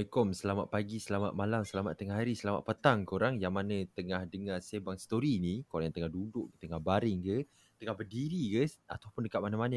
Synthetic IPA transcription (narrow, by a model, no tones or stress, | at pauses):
kɔmsəlama̰t̪̚paɡisəlama̰t̪̚malamsəlama̰t̪ːəŋahɦaɾisəlama̰ʔ̪̚pət̪aŋkoɾaŋjaŋmanət̪əŋahdəŋahsebaŋsə̥t̪oɾinikoɾaŋjat̪əŋahdudʊʔkət̪əŋahbaɾɪŋkə | t̪əŋahbərdiɾikəa̰t̪apʊndəkat̪̚manəmanə